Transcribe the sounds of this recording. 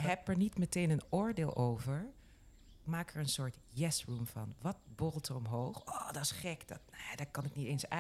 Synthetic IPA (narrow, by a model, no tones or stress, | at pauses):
ɦɛpɛɹnitmətejnənʊːɹdeːlˠʔowvəɹ | ɪkmaːkəɹənsʊːɹt | jɛsrumv̥ɑ̰nʋɑt̚bɔəlˠtʰərɔmɦowχɔːdɑtɪ̥sχɛkdɑtnedaːkɑnɪknitejnsa